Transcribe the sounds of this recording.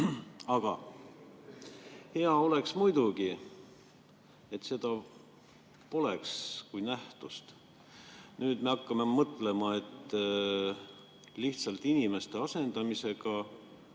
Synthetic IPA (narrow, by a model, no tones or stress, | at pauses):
ɑɡ̥ɑ | he̞ɑo̞le̞ksmujd̪uɡ̥i | e̞t̪se̞d̪̥ɑ | po̞lekskujnæht̪ust̪ | nyːd̪̥me̞ɑkːɑmemɤt̪ːˑle̞mɑe̞t̪ːˑ | liht̪sɑlt̪inime̞st̪e̞ɑse̞nd̪̥ɑmise̞ɡ̥ɑ